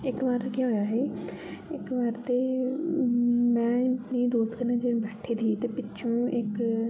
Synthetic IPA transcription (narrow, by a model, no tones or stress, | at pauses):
ɪkʋəɾkiɦoːjaːɦeːɪkʋəɾt̪eː | mɛ̃ːnĩːd̪oːst̪kəɾnãːd͡ʒẽbɛːʈʰeːd̪iːt̪eːpɪːʃʰõːɪk